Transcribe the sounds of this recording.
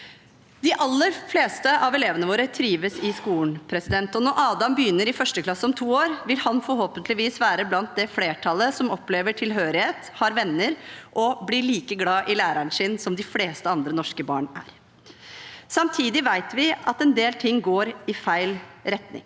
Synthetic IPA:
d̪ɪʔɑlːəɾfleːst̪əʔɑʋɛleːʋənəʋoːɾət̪ʰɾiːʋəsɪskuːɳpʰɾɛsɪd̪ɛnt̪ɔnɔʔɑːd̪ɑmbəjʏnːəɾɪfœʂʈəkʰlɑsːɔmt̪ʰuːoːɾʋɪlhɑnfɔɾɦoːpənt̪ʰlɪʋiːsʋæːɾəblɑnt̪̚d̪ɛfleːʈʰɑləsɔmɔpːleːʋəʈʰɪlɦøːɾɪheːt̪hɑːɾʋɛnːəɾʔɔblɪɭiːkəɡlɑːʔɪlæːɾəɳʂɪnsɔmd̪ɪfleːst̪əɑnd̪ɾənɔʂkəbɑ̰ːɳæ̰ːɾ | sɑmt̪ʰiːd̪ɪʋæɪt̪ʋɪʔɑt̪ɛnd̪eːlt̪ʰɪŋːɡoːɾɪfæɪlɾɛt̪nɪ̰ŋ

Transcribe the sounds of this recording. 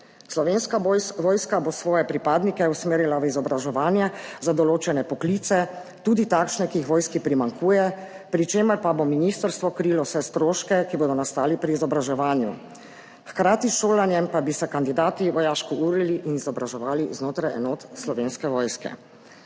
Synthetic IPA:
slɔʋenskajʋɔːjskabosʋɔːjɛpɾipaːd̪nikɛusmeːɾilaʋizɔbɾaʒɛʋaːnjɛzad̪ɔloːt͡ʃɛnɛpɔkliːt̪sɛ | t̪uːd̪it̪aːkʃnɛkiixʋɔːjskipɾimaŋkʰuːjɛ | pɾit͡ʃeːməɾpabominist̪əɾst̪ʋɔkɾilɔwsɛst̪ɾoːʃkɛkiboːd̪ɔnast̪aːlipɾiːzɔbɾaʒɛʋaːnjṵ | xkɾaːt̪isʃoːlanjɛmpabisɛkand̪id̪aːt̪iʋɔjaːʃkɔuːɾiliʔinizɔbɾaʒɛʋaːliznoːt̪ɾajɛ̰noːt̪slɔʋeːnskɛʋɔːjskɛ̰

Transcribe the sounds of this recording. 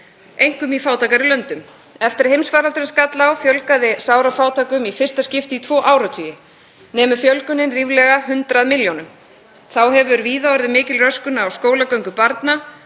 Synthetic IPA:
ejŋ̥kʏmifaːwt̪ʰakaɾɪlœnt̪ʏm | ɛft̪ɪɾ̥hejmsfaːɾalt̪ɾɪnskat̪lawfjœlkaðɪsaːwɾafaːwt̪ʰaːkʏmifɪrst̪ascɪft̪ɪit̪ʰvɔːʔaːwɾat̪ʰyːjɪ | nɛːmʏfjœlkʏnɪnriːvlɛɣahʏnt̪ɾaðmɪljownʏm | θawɦɛvʏɾviːðaɔɾðɪmɪːcɪlrœskʏnaːwskoːwlakœɥŋkʏpaɾt̪na

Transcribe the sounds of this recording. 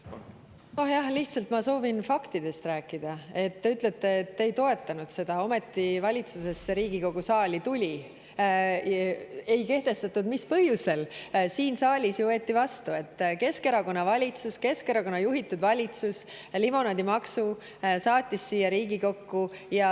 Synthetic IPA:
no̞hjɑhliht̪sɑlt̪mɑso̞ːvinfɑkt̪id̪̥e̞st̪ræːkːˑid̪̥ɑe̞t̪ːeyt̪ˑlet̪ːˑe̞ːt̪ːejt̪o̞e̞t̪ːˑɑnud̪̥se̞d̪̥ɑo̞me̞t̪ːivɑlʲit̪suse̞seɾiːɡ̥iko̞ɡ̥usɑːlʲit̪ulʲi | e̞jke̞ht̪e̞st̪ɑt̪ːud̪mispɤhjuse̞lsiːnsɑːlʲisjuveːt̪ːivɑst̪ue̞t̪ːˑke̞ske̞ɾɑko̞nːɑvɑlʲit̪suske̞skeɾɑko̞nːɑjuɦit̪ːud̪vɑlʲit̪sus | limo̞nɑd̪imɑksu | sɑːt̪ʲːˑisːijːɑɾiːɡiko̞kːujɑ

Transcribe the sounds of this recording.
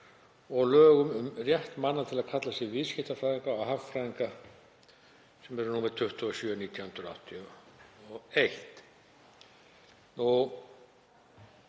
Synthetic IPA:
ɔɣlœːɣʏmʏmrjɛht̪manːat̪ʰɪlaðkʰat̪lasjɛvɪðscɪht̪afɾaːðiŋkaːɦaffɾaðiŋka | sɛmɛɾʏnuːmɪɾt̪ʰʏht̪uɔsjœːniːt̪jawhʏnɾa̰ht̪ʰi | ɔejht̪ | nu

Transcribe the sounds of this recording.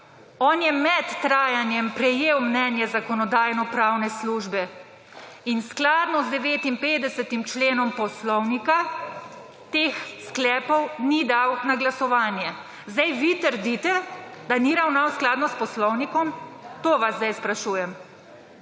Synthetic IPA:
ɔːnjɛmɛt̪ːɾaːjanjɛmpɾɛjeːwmnɛnjɛzakɔnɔd̪aːjnɔpɾaːwnɛsluːʒbɛ | insklaːd̪nɔzd̪ɛʋeːt̪impeːd̪ɛsɛt̪imt͡ʃleːnɔmpɔslɔwnika | t̪eːxsklɛːpɔwnid̪awnaɡlasɔʋaːnjɛ | zd̪ajʋit̪əɾd̪it̪ɛd̪aniɾawnawsklaːd̪nɔspɔslɔwnikɔmt̪oːʋazd̪ajspɾaʃuːjɛm

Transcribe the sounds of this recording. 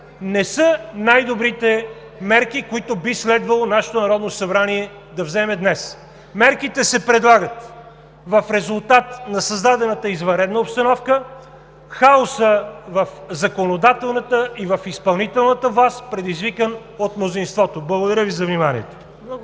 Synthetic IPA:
nɛsɤnajd̪obɾit̪ɛ | mɛɾkikoit̪ʊbislɛd̪vəlˠonaʃɛ̥t̪onɐɾɔd̪nosɐbɾaniɛ | d̪ɐvzɛmɛd̪nɛs | mɛɾkit̪ɛsɛpɾɛd̪lˠaɡət̪ | vəfɾɛzʊlˠt̪at̪nɐsɐzd̪ad̪ɛnət̪əizvɐ̃nɾɛd̪nəopst̪ɐnɔfkə | xaosəvəfzɐkonod̪at̪ɛlˠnət̪əivəfispɐlˠnit̪ɛlˠnət̪əvlˠast̪pɾɛd̪izvikən | ot̪mnozinst̪vɔt̪oblˠɐɡod̪ɐɾʲjəvizɐvnimanḭɛt̪o̥

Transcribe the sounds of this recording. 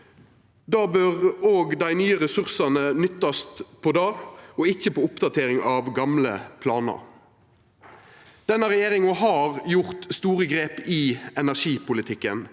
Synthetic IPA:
d̪ɑːbøʁoːɡd̪æɪnyːəʁɛsʉʁsɑnənʏt̪ːɑst̪pʰɔːd̪ɑːɔɪçːəpʰoːʊpd̪ɑt̪ʰeːʁɪŋɑʋɡɑmlə̰pʰlɑːnə̰ɾ | d̪̥ɛnːəʁɛjeːʁɪŋɔɦɑːʁjʊʁt̪st̪uːʁəɡʁeːpɪɛnæʁʂiːpʊlɪt̪ʰɪkːən

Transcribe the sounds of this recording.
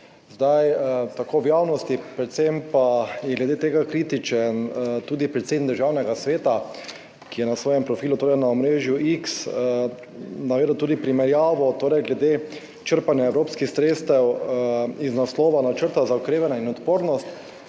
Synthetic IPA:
zd̪ajt̪akoːwjaːwnɔst̪ipɾɛt̪sempajɛɡlɛd̪et̪eːɡakɾiːt̪it͡ʃɛnt̪uːd̪ipɾɛt̪sed̪niɡ̪̚d̪əɾʒawnɛɡasʋeːt̪a | kijɛnasʋɔːjɛmpɾɔfiːlut̪oːɾɛjnaɔmɾeːʒjuʔiks | naʋeːd̪wt̪uːd̪ipɾimɛɾjaːʋɔt̪oːɾɛjɡlɛd̪eː | t͡ʃəɾpanjaɛwɾoːpskixsɾeːst̪ɛw | iznaslɔːʋanat͡ʃəɾt̪azaɔkɾeːʋanainɔt̪poːɾnɔst̪

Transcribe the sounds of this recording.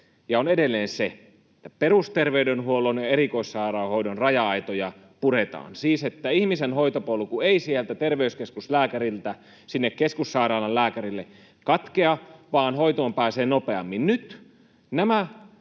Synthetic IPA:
jɑonedelːeːnse | et̪ːæperust̪erʋeydenhuolonjɑeɾikoisːɑirɑˑohoidonrɑjɑɑit̪ojɑ | puɾet̪ɑ̰ːnsiːset̪ːæihmisenhoit̪opolkueisiælt̪æt̪erʋeyskeskuslæːkærilt̪æ | sinːekkːeskusːɑiɾɑːlɑllæːkærilːe | kɑt̪keɑʋɑːnhoit̪oːmpæːseːnopeɑ̰mːinnyt̪ | næmæ

